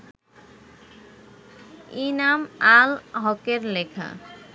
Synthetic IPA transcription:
inamalɦɔkeɾlekʰa̰

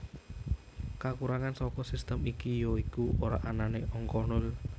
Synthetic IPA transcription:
kakuɾaŋansɔkɔsist̪əmikijoikuoɾa̰ʔananeʔɔŋkɔnʊl

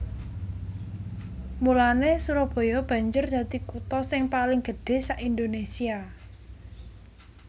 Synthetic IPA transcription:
mulanesuɾɔb̥o̤jɔb̥ä̤ɲd͡ʒʊrd̪̥ä̤t̪ikut̪ɔsɪŋpalɪŋɡ̥əɖ̥e̤saʔind̪onesia

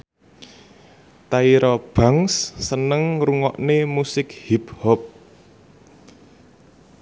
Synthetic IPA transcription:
t̪aiɾɔb̥a̤ŋsːənəŋɾuŋɔʔnemusɪk̚hiphɔp̚

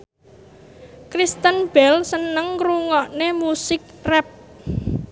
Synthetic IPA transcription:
kɾist̪ənb̥ɛlsənəŋkɾuŋɔʔnemusɪk̚rɛp̚

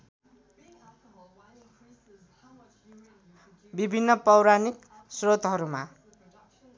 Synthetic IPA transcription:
bibʱinːʌpʌwɾanik | srot̪ɦʌɾuma

